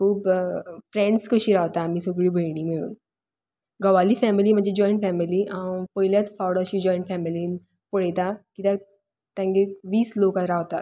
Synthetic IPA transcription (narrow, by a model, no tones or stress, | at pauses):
kʰuːbfɾẽɳɖskəɕiːɾaʋt̪aːmiːsoɡɭiːbʱəjɳ̃iːmiɭṵːn | ɡəʋaliːfɛmiliːm̤əd͡ʑed͡ʑɔ̃iɳʈfɛmiliãpəjljat͡sfawɽəɕiːd͡ʑɔ̃jɳʈfɛmiliːn | pəɽet̪akit̪a | t̪ãŋɡeʋiːslokaɾaʋt̪a̰